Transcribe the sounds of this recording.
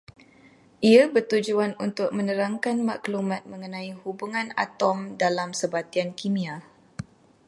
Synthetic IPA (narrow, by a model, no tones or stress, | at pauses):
ʔiabərt̪ud͡ʒuanunt̪ʊk̚mə̃nə̃ɾaŋkanmakəlumãt̪̚mə̃ŋənãihubuŋãna̰t̪ɔmdalamsəbat̪iankimĩa